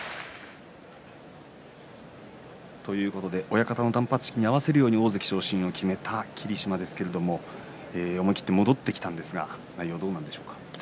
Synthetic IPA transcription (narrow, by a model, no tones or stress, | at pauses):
t̪o̞jɯ̟ːko̞t̪o̞d̪e̞ʔo̞jakat̪ano̞d̪ãmpat͡sɨ̥ɕkʲiɲ̟iaβase̞ɾɯ̟joːɲ̟io̞ːzekʲi̥ɕo̞ːɕĩɰ̃o̞kʲʰime̞t̪ʰakʲʰiɾʲiɕimad̪e̞sɨ̥ke̞ɾe̞d̪o̞mo̞ | eːomoikʲi̥t̪ːe̞mo̞d̪o̞t̪ːe̞kʲi̥t̪ãnd̪e̞sɨɡa̰naijo̞ːd̪o̞ːnãnd̪e̞ɕo̞ːkḁ